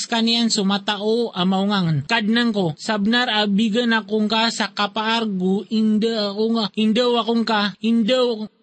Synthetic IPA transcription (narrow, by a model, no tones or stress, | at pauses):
skaniansumat̪aʔuamauŋaŋənkad̚naŋkusabənarabiɡənakuŋkasakapaːrɡuindəakuŋaindəwakuŋkaindəw